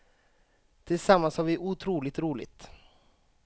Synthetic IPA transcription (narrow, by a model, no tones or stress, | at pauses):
t̪ʰɪlsamːanshaɾvɪʔʊt̪ʰɾuːlɪt̪ɾuːlɪ̰t̪